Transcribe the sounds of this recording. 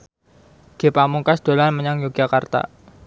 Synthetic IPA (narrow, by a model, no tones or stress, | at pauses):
ɡ̥e̤pamuŋkasd̪̥o̤lanməɲaŋjoɡ̥akart̪a̰